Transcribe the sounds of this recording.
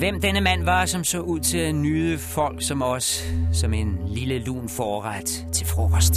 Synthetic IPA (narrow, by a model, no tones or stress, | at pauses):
ʋem̰d̥enəmæn̰ʋɑ̈sɒ̽msɔ̰uð̰ˠt͡sʰe̝lænyːəfɒ̽l̰ɡ̥sɒ̽mɒ̽ssɒ̽me̝nliləlṵːnfɒːʁad̥ | t͡sʰe̝lfʁoʁɒsd̥